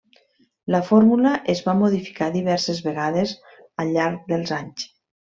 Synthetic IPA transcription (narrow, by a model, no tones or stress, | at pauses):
ləfoɾmuləʔezβamoðifi̥kaðiβɛɾsezβeɣaðez | əʎːaɾk̚ðəlˠzaɲs